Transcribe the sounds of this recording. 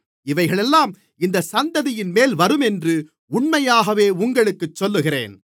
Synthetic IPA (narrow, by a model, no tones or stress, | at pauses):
ɪʋɐɪɣɐɭɛlːaːm | ɪnd̪ɐsɐnd̪ɐðɪjɪnmeːlʋɐɾɯmɛndrɯ | ʊɳmɐjaːɣɐʋeːʊŋɡɐɭɯkːɯt͡ʃːɔlːɯɣɪrḛːn